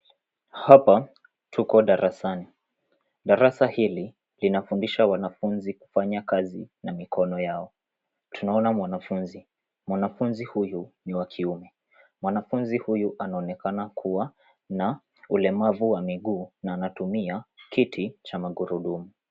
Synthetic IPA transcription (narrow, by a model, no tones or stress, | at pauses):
hapa | tʰukɔɗaɾʔasani | ɗaɾasahili | linafundiʃawanafunziku̥faɲakazinamikɔnɔjaɔ | tʰunaɔnamwanafunzi | mwanafunzihujuniwakʰiumɛ | mwanafunzihujuʔanaɔnɛkanakʰuwa | na | ulɛmavuwamiɠuːnaːnatumiakitʰit͡ʃamaɠuɾuɗumu